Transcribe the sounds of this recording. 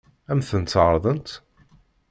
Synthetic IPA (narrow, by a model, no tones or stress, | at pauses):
æmθənt̪ːʕɾˤðˤənt̪